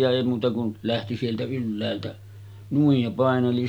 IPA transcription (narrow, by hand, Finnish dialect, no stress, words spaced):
jɑ eˑi muːtɑ kun læhti sieltæ ylːæːltæ nuij jɑ pɑˑeneli